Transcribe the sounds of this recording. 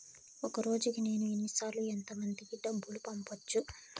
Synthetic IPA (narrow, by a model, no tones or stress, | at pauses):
ɔkɐɾo̞ːd͡ʒukine̞ːnuenːisaːɾluent̪ɐmɐnd̪ikiɖɐbːulupɐmpɐt͡ʃːu